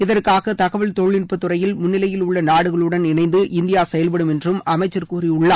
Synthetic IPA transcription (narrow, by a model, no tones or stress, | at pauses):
ɪðɐrkaːɣɐt̪ɐɣɐʋɐɭt̪ɔɻɭːɪnpːɯt̪ːɯrɐjɪlmʊnːɪlɐjɪlʊɭːɐnaːɽɯɣɐɭɯɽɐnɪnɐɪnd̪ɯʔɪnd̪ɪjaːsɛjɐlpɐɽɯmɛndrɯmɐmɐɪt͡ʃːɐrkuːriʊɭːa